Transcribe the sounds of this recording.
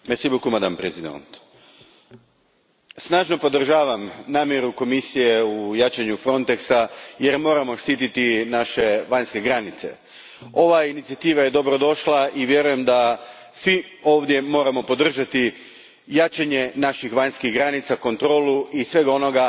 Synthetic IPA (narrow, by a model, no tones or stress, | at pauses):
mesibukumad̪anpɾezid̪o̰nt̪ | snaːʒno̞po̞d̪r̩ʒaːʋamnaːmje̞ɾuko̞misije̞ujaːt͡ʃaɲufɾo̞nt̪eksajeɾmo̞ːɾamo̞ʃt̪iːt̪it̪inaʃe̞ʋaɲske̞ɡɾanit̪se̞̰ | o̞ʋainit̪sijat̪iːʋaje̞d̪o̞bɾo̞d̪o̞ʃlˠaiʋje̞ɾuje̞md̪a | sʋi | o̞ːʋd̪je̞mo̞ːɾamo̞po̞d̪r̩ʒat̪i | jaːt͡ʃaɲe̞naʃixʋaɲskiɣɡɾanit̪sako̞nt̪ɾo̞ːluʔisʋe̞ɡo̞no̞ɡa